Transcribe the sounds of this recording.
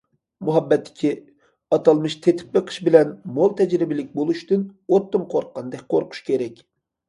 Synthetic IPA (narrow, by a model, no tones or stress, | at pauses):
muɦɑbːɛt̪ʰːɪ̥kʲʰi | ɑt̪ʰɑlˠmɨʃt̪ʰet̪ʰɪ̥p̚beqʰə̥ʃbɪlɛnmolˠt̪ʰɛd͡ʒɾɪbɪlɪk̚ʲbolˠuʃt̪ynot̪ːɨmqʰoɾqːɑnd̪ɛk̚ʲqʰoɾqʰʊ̥ʃkʲʰeɾɛkʲ